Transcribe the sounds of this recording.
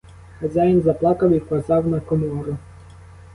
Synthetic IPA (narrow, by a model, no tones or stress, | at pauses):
xɐzʲajinzɐplˠɑkɐwikʋɐzɑwnɐkɔmɔɾʊ